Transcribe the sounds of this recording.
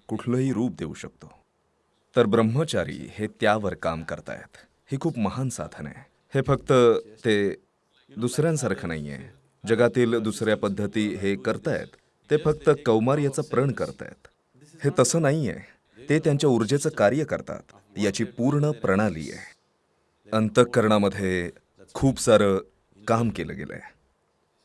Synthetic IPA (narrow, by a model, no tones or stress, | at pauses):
kuʈʰləːɦiːɾuːp̚d̪eṵɕək̚t̪o | t̪əɾbɾəmːət͡ɕaɾḭːhet̪jaʋəɾka̰mkəɾt̪a̰jḛt̪ | hiːkʰuːpməɦansa̰d̪ʱənḛ | hefəkt̪ət̪e | d̪usɾjãnsaɾkʰəna̰ɦḭjḛ | d͡ʑəɡat̪iːld̪usɾjapəd̪ʱːət̪iːɦekəɾt̪ajḛt̪ː | efək̚t̪əkəwmaɾjat͡səpɾəɳkəɾt̪a̰jḛt̪ | het̪əsəːnaɦijḛ | t̪et̪jaɲt͡ɕjauɾd͡ʑet͡səːkaɾjəkə̰ɾt̪a̰t̪ | jat͡ɕiːpuɾɳəpɾəɽ̃alḭːjḛ | ənt̪əkːəɾɳ̃aməd̪ʱːje | kʰuːpsaɾəː | kamkelə̰ːɡḛlʔḛ